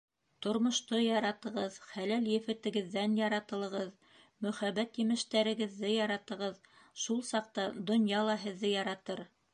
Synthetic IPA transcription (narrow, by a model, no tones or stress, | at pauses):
t̪ŏɾmŏʃt̪ɤjɑɾɑt̪ɤ̆ʁɤðχælæljɘ̆fɘ̆t̪ɘ̆ɡɘ̆ðːænjɑɾɑt̪ɤ̆lˠɤ̆ʁɤð | mɵ̆χæβæt̪jɘ̆mɘ̆ʃt̪æɾɘ̆ɡɘ̆ðːɘjɑɾɑt̪ɤ̆ʁɤð | ʃulˠsɑq̚t̪ɑd̪ŏnjɑlˠɑɦɘ̆ðːɘjɑɾɑt̪ɤɾ